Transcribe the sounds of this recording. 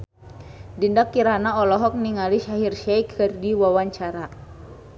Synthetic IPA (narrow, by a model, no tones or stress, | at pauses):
dindakːiɾanaɔlɔɦɔk̚niŋaliʃaɦirʃɛjkhɨrdiwawaɲt͡ʃaɾa